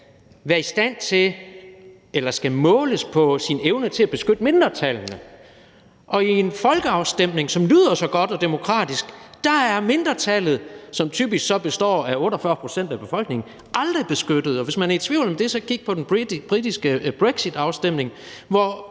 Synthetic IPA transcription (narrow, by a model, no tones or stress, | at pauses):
ʋæɐisd̥æn̰t͡sʰe̝ | elɐsɡ̥æmɔ̽ːləspʰɒ̽sineʊnət͡sʰe̝æb̥e̝sɡ̥ød̥me̝nd̥ʁɐt͡sʰælnə | ʔɒ̽ie̝nfɒ̽lɡ̥əɑ̈ʊsd̥em̰ne̝ŋsɒ̽mlyːð̞̰ˠɐsɒ̽ɡ̥ɒ̽d̥ɒ̽d̥e̝mo̝kʰʁɑ̰̈ːd̥isɡ̥d̥ɑ̈æɐme̝nd̥ʁɐt͡sʰælð̩ˠsɒ̽mt͡sʰy̰ːb̥isɡ̥sɒ̽b̥e̝sd̥ɒ̰ːæɔ̽ːɾɐɒfɶɐpʰʁo̝̥sen̰d̥æb̥e̝fɒ̽l̰ɡ̥ne̝ŋn̩ | ʔɑ̈ld̥ʁib̥e̝sɡ̥ød̥ð̞̩ˠɒ̽ʋe̝smænæɐid̥t͡sʰʋiʊ̰lɒmd̥e̝sɒ̽kʰiɡ̥̚pʰɒ̽d̥enb̥ʁid̥isɡ̥əb̥ʁeɡ̥sid̥ɑ̈ʊsd̥em̰ne̝ŋ | ʋɒ